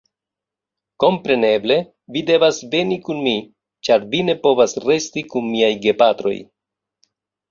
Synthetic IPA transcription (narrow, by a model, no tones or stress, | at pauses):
ko̞mpɾe̞ne̞ble̞ | vide̞vasve̞nikunmi | t͡ʃaɾvine̞po̞vasɾe̞stikunmiajɡe̞patɾo̞̰j